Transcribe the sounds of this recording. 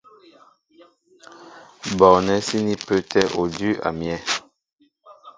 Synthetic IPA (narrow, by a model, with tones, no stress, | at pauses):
bɔ˨nɛ˦si˦ni˦pø˦tɛ˦ʔo˨dy˦ʔa̰˨mjɛ˦